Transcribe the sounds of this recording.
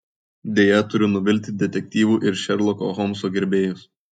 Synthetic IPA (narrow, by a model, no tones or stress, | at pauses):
d̪ʲeːjɛt̪ʊɾʲʊnʊʋʲɪlʲt̪ʲd̪ʲɛt̪ʲɛk̚ʲt̪ʲiːʋuːʔɪɾʃʲɛɾlˠɔko̰ɦɔmsoːɡʲɛɾʲbʲeːjʊs